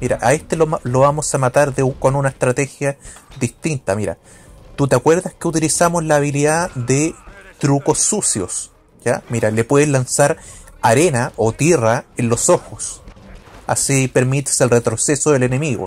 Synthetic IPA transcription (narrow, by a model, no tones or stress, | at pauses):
miɾaʔae̞ht̪eloloβamosamat̪aɾðeko̞nunaest̪ɾat̪e̞xjaðiht̪int̪amiɾa̰ | t̪ut̪eakwe̞ɾðahkeut̪ilisamozlaːβiliðaðet̪ɾuko̞sːusjo̞s | ja̰miɾale̞pweðelansaɾaɾenaʔot̪iraenlo̞soxos | a̰sipe̞ɾmit̪e̥selret̪ɾosesoðele̞ne̞miɣo̰